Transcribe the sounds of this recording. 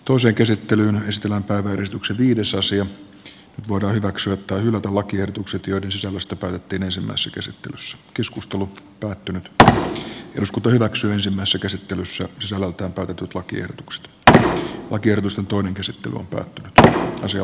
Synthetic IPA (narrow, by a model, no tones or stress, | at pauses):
t̪oiseːŋkæsit̪ːelyːnesit̪elːæmpæiʋæeresit̪ykseʋiːdesɑsiɑ | nyt̪ʋoidɑːhyʋæksyæt̪ːɑihylæt̪ælɑkiehdot̪ukset̪joidensisælːæst̪æpæˑːt̪et̪ːiːnensimːæ̰isesːækæsit̪ːḛlysːæ̥keskust̪elupæːt̪ːynyt̪ | ḛjoskut̪ɑhyʋæksyæensimːæˑisesːækæsit̪ːelysːæsisælːælt̪æːmpæˑyt̪et̪ːyt̪lɑkiḛhdot̪u̥kse̥t̪ | lʔɑkiehɾot̪ust̪ent̪oineŋkæsit̪ːḛly̰o̰mpæ̰ːt̪ːynyt̪ɑ̰siɑ